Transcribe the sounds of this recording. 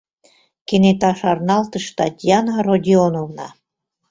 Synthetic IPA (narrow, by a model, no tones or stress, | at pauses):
kenet̪ɑʃɑrnɑlt̪əʃt̪ɑt̪ʲjɑnarodʲionovnɑ